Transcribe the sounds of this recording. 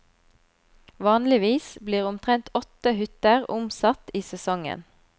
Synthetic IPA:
ʋɑːnlɪʋiːsbliːʁʊmt̪ʰʁɛnt̪ʰɔt̪əhʏt̪əʁʊmsɑt̪iːsɛsɔŋə̰n

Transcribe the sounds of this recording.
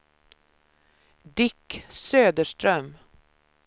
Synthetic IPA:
d̪ɪksøːd̪əʂʈɾœm

